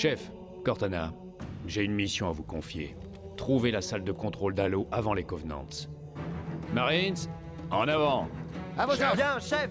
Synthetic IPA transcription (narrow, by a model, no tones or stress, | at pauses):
ʃɛf | kɔʁt̪ana | ʒeynmisjɔ̃avukɔ̃fjḛ | t̪χuvelasald̪əkɔ̃t̪χold̪aloʔavɑ̃lekɔvnɑ̰̃t̪s | maʁins | ɑ̃navɑ̃avojɛ̃ʃɛ